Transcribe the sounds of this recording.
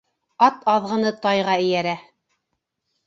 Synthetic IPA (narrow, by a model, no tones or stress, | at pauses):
ɑt̪ɑðʁɤ̆nɤt̪ɑjʁɑɘ̆jæɾæ